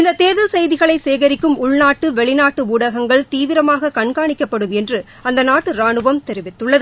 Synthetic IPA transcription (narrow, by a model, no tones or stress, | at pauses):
ɪnd̪ɐt̪eːðɪlsɐjðɪɣɐɭɐɪseːɣɐɾɪkːɯmʊɭnaːʈːɯʋɛɭɪnaːʈːɯʊɽɐɣɐŋɡɐɭt̪iːʋɪɾɐmaːɣɐkɐɳkaːɳɪkːɐpːɐɽɯmɛndrɯ | ɐnd̪ɐnaːʈːɯɾaːɳɯʋɐmt̪ɛɾɪʋɪt̪ːɯɭːɐðɯ